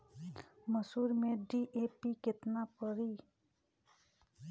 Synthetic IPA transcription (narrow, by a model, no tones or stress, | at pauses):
məsuːɾmẽɖiːʔeːpikɪt̪napəɾiː